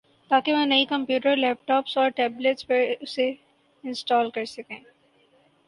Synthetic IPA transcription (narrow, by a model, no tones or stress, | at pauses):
t̪aːkeʋɐ̃nɐikɐ̃mpjuːʈəɾlɛːp̚ʈɔːpsɔːɾʈɛːbleʈspɐɾʊse | ɪ̃nsʈɔːlkɐɾsɐkẽː